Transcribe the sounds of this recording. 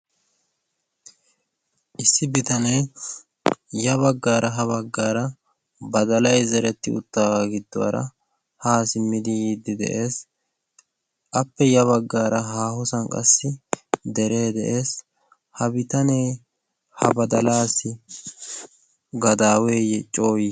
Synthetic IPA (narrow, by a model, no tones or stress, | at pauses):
ʔɪsːɪbɪt̪ɐnɛj | jɐβɐɡːaːɾʔɐɦɐβɐɡːaːɾɐ | bɐd̪ɐlɐjzɛɾɛt̪ːɪ̰ʊ̰t̪ːaːɡɪd̪ːɔwɐ̰ɾɐ̰ | haːsɪmːɪd̪ɪjiːd̪ːɪd̪ɛ̰ʔeːs | ʔɐpːɛjɐβɐɡːaːɾɐɦaːhɔsɐnkʼɐ̰sːɪd̪ɛɾeːd̪ɛʔe̞ːs | hɐbɪt̪ɐnej | hɐ̰bɐd̪ɐlaːsɪ | ɡɐd̪aːweːjɛt͡ʃʼo̞ːjɪ